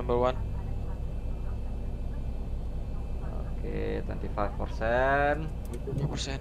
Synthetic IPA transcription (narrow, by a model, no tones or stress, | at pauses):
ambəwan | o̰kʰḛt̪wɛ̰nt̪ifajfpərsɛn | upəsɛ